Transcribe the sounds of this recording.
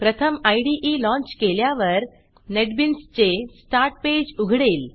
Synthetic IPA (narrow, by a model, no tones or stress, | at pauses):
pɾət̪ʰəmajɽiʔilɔ̃ɲt͡ɕkeljaʋəɾ | neʈbinst͡ɕesʈaɾʈ̚ped͡ʑuɡʱɽeːl